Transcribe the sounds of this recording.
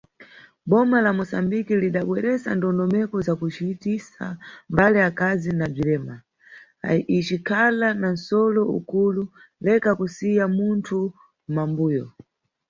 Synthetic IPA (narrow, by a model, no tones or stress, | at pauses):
ɓɔmalamusambikiliɗaɓwɛɾɛsa̰ndɔndɔmɛkɔzakut͡ʃitisa̰mbaliakazinab͡ʐiɾɛːma | it͡ʃikʰalanan̩sɔlɔṵkululɛkakusijamuntʰu | mambuːjɔ